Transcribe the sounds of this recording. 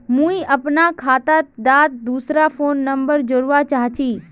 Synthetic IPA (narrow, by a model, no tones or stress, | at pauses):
mũiʔəpnakʰaːt̪at̪d̪at̪̚d̪uːsɾafoːnːəmbəɾd͡ʒoɾʋat͡ʃaɦt͡ʃʰiː